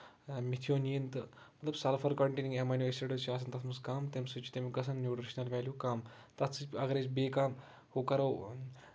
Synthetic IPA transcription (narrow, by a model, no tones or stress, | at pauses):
mit̪ʰijoːnijint̪ɨ | mɐt̪lɐbsɐlfʰɐɾkɔɳʈeːnĩŋɡemaniʋesiʈʲiʈɐʃaːs̬ɐnt̪ɐt̪ʰmɐskaːmt̪emsɨt͡ʃi̥t̪emikɐs̬ɐnnjuːʈɾiʃnɐlʋaːljuːkaːm | t̪ɐt̪t͡sɨɐɡɐɾet͡ʃbeːkaːm | hokɐɾɐw